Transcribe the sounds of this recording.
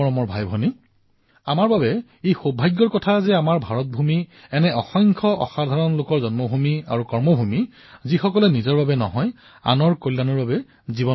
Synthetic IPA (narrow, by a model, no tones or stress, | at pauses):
ɔɹɔmɔɹbʱajbʱɔni | amaɹbabɛ | ejxobʱajɡːɔɹkɔtʰazɛamaɹbʱaɹɔt̚bʱumiɛnɛɔxɔŋkʰɔʔɔ̰xad̪ʱaɹɔnlokɔɹzɔnmɔbʱumia̰ɹukɔɹmɔbʱumi | zixɔkɔlɛnizɔɹbabɛnɔ̰ɦɔj | a̰nɔɹkojlːanɔɹbabɛ | zibɔ